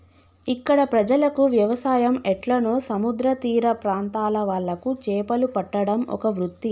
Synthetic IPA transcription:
ikːɐɽɐpɾɐd͡ʒɐlɐkuʋjɐʋɐsaːjɐmɛʈlɐnoːsɐmud̪ɾɐt̪iːɾɐpɾaːnt̪aːlɐʋɐɭːɐkut͡ʃɛːpɐlupɐʈːɐɽɐmɔ̰kɐʋɾut̪ːi

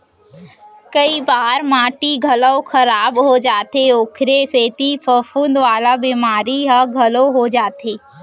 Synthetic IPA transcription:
kəibaːɾmãːʈiɡʱɐləwkɐɾaːbɦod͡ʒaːt̪eoːkʰɾeseːt̪ipʰəfʰʊnd̪ʋaːlabiːmaːɾiɦəɡʱəloɦod͡ʒaːt̪eː

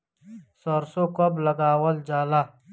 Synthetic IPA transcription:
soɾsokoblɐɡaːwɐld͡ʒaːla

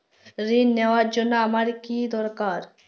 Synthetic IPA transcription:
ɾinːeoaɾd͡ʑonːoamaɾkid̪ɔɾkaɾ

